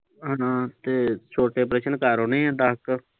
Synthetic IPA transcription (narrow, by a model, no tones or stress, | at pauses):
ɦãːt̪eːt͡ʃʰoːʈeːpɾeːʃənkaːɾoːnẽːɛ̃ːd̪ak